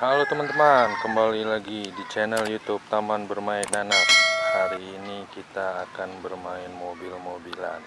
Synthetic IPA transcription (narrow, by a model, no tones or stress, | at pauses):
halot̪əmant̪əmankəmbalilaɡidit͡ʃɛnɛljut̪up̚t̪amanbərmaɪnanashaɾiːnikit̪aːkanbərmaɪnmobilmobila̰n